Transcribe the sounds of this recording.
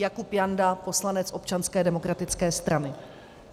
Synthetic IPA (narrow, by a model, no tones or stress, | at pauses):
jakupjandapo̞slanɛt͡sʔo̞pt͡ʃanskɛːdɛmo̞kɾat̪ɪt͡skɛːst̪ɾanɪ